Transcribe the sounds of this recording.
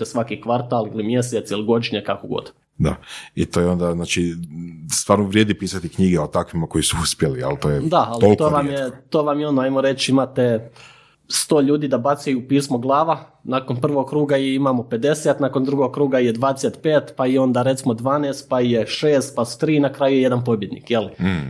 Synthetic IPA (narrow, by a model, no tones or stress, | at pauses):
esʋakikʋaɾt̪aːlˠilimje̞set̪siliɡo̞d̪iɲekakoɡo̰d̪ | d̪a̰it̪oːjeo̞nd̪aznaːt͡ʃi | st̪ʋaːɾnoʋɾʲjeːd̪ipiːsat̪ikɲiɡeot̪akʋimako̞jisuuspjelia̰lt̪oːjed̪aalolkt̪oʋamjet̪oːʋamjeonoajmoɾe̞t͡ʃimat̪e̞ | st̪o̞ːʎuːd̪iːd̪abat̪sejupiːsmo̞ɡlˠaːʋa | naːkonpr̩ʋo̞ɡ̚kɾuːɡaiimaːmope̞d̪e̞set̪nako̞nd̪ɾuɡo̞ɡkɾuːɡaijed̪ʋaːd̪eset̪peːt̪paio̞nd̪aːɾet̪simo̞d̪ʋaːneːst̪̚paijeʃeːst̪̚pasu̥t̪ɾiːnakɾaːjujeje̞d̪anpo̞bje̞d̪nḭːkjeli